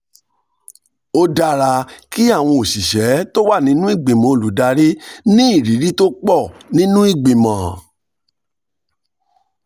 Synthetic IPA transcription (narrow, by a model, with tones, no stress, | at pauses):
o˦da˧ɾa˧ki˦a˦˨w̃ɔ̃˧o˨ʃi˨ʃɛ˨˦to˦wa˦˨nĩ˨˦nũ˦i˦˨ɡ͡bĩ˨mɔ̃˨o˧˨lu˨˦da˧ɾi˦nĩ˦i˦˨ɾi˨˦ɾi˦to˦k͡pɔ˦˨nĩ˦nũ˦i˦˨ɡ͡bĩ˨mã˨